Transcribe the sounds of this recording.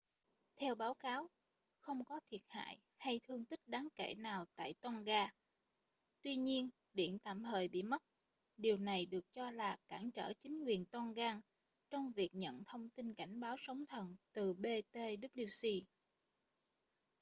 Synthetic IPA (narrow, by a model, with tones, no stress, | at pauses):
t̪ʰɛ˧wɓaː˨˦wkaː˨˦w | xə˧wŋ͡mkɔ˨˦t̪ʰi˨˩ət̚ha̰ː˧˨j | ha˧jt̪ʰɨ˧əŋt̪ï˦˥k̚ɗaː˨˦ŋke˧˩naː˨˩wt̪a̰ː˧˨jt̪wɔ˧nɣaː˧ | t̪wi˧ɲi˧ən | ɗḭ˧˩˨ənt̪a̰ː˧˨mhəː˨˩jɓḭ˧˨mə˦˥t̚ | ɗi˨˩əwna˨˩jɗɨ˨˩ək̚t͡ɕɔ˧laː˨˩kaː˧˩ŋt͡ɕə̰ː˧˩t͡ɕï˨˦ŋ̟kwi˨˩ənt̪wɔ˧nɣaː˧ŋ | t͡ɕɔ˧wŋ͡mvi˨˩ək̚ɲə̰˧˨nt̪ʰə˧wŋ͡mt̪i˧nka˧˩jŋ̟ɓaː˨˦wsə˨˦wŋ͡mt̪ʰə˨˩nt̪ɨ˨˩ɓe˧t̪e˧ɗi˦˥ɗi˧wsi˧